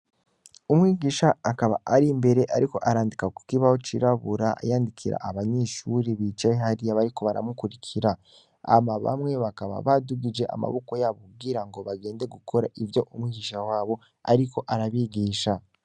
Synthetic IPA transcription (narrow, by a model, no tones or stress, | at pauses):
umwiːɡiːʃaːkaβa̰ʔaɾimbe̞ɾe̞ʔaɾiko̞ʔaɾaːndikaku̥kiβaho̞t͡ʃḭɾaβuɾaa̰jaːndikʰiɾa̰ʔaβaɲeːʃuɾeβit͡ʃeɦaɾijaβaɾiko̞βaɾa̰mukuɾikʰiɾa | a̰maβa̰mŋe̞βakaβa̰βaduɡid͡ʒe̞ʔa̰ma̰βoko̞jaβubɡiɾaŋɡo̞βaɡe̞ːnde̞ɡukʰo̞ɾaʔivjo̞ʔumwiɡiʃawaːβo̞ | a̰ɾikʰo̞ʔaɾaβiːɡiːʃa